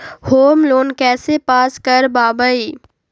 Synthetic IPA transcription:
hoːmloːnkɛːsepaːskəɾbaːbəiː

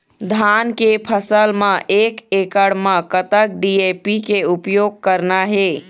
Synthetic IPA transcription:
d̪ʱankepʰəsəlməʔekekəɽmə̃kət̪ək̚ɖiepikeupjoɡ̚kəɾnaɦe

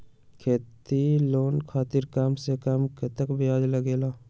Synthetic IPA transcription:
kʰeːt̪iloːnkʰaːt̪iɾkamsekəmket̪əkbʱiaːd͡ʒləɡeːla

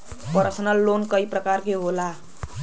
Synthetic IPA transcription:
pʌɾsənʌlːonkʌiprʌkarkeɦola

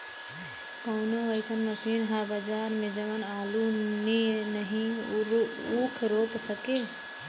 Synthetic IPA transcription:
kaːnãʋəɪsənmɐsiːnɦabəd͡ʒaːɾmẽd͡ʒəʋənaːluninəɦĩ | uːkʰɾoːpsəkeː

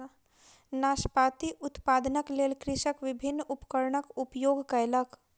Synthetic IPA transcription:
naːʃpaːt̪iʔʊt̪paːd̪nəkleːlkɾɪʃəkʋɪbʱɪnːʊpkəɾɳəkʊpjoːɡkaelək

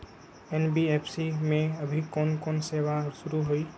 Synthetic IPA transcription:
enbiepʰsimẽəbʱikɔnkonsebasʊɾuɦoi

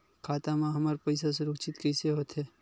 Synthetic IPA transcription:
kʰaːt̪amãɦɐmaɾpɐjsas̬eɾʊkt͡ʃɪt̪kɛjseɦoːt̪ɦɛː

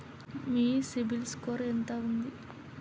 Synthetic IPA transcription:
miːsibilskoːɾɐent̪aːund̪i

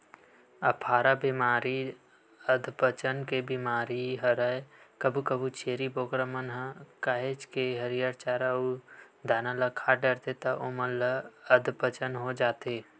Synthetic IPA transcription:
ɐpʰaːɾabimaːɾi | əd̪ʱpət͡ʃənkebimaːɾiɦəɾəekəbʱukəbut͡ʃeːɾiboːɡɾəmənɦkaːɦet͡ʃkeɦəɾijaɾt͡ʃaːɾau | d̪aːnalakʰaːʈəɾt̪et̪ɐʔʊmələəd̪ʱpət͡ʃənɦod͡ʒaːt̪eː

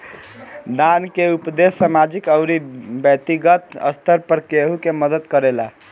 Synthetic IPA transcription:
d̪ankeupd̪essamad͡ʒikəʊɾibjət̪iɡət̪ə̰st̪ʰəɾpəɾkeɦukeməd̪ət̪kəɾela

